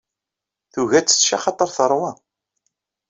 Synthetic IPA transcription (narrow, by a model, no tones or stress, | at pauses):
θuʝæt͡sːə̥t͡sːʃa̰χɑt̪ˤːəɾˤθəɾˤwɑ